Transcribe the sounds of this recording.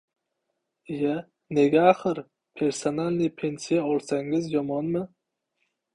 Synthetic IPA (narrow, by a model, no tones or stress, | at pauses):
ija | ne̞ɡʲaːχɨɾ | pʰe̞ɾsonalʲnɪpʰe̞nsijaɒlˠsaŋɪzjɒmɒnmɪ